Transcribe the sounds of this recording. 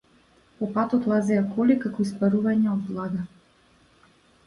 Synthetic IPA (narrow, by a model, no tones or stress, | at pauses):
pɔpat̪ɔt̪lˠazɛjakɔlikakɔispaɾuvaɲɛɔd̪̚blˠaɡa